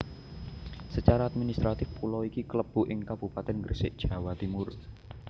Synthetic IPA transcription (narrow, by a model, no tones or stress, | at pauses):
sət͡ʃaɾaːt̪̚minist̪ɾat̪ɪfpulɔikikələb̥ṳʔɪŋkab̥ṳpat̪ɛnɡərsɪʔd̥ʒ̥ä̤wat̪imʊr